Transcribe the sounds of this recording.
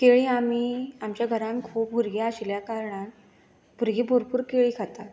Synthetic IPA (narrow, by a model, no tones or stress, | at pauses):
keɭiːamiːamt͡ɕjaɡʱəɾãŋkʰuːp̚bʱuɾɡiaɕljakaɾɳãn | bʱuɾɡiːbʱoɾpuːɾkeɭiːkʰat̪a